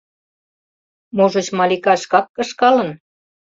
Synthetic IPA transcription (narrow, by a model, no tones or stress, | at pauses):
moʒə̆t͡ɕmɑlikɑʃkɑkːə̆ʃkɑlə̆n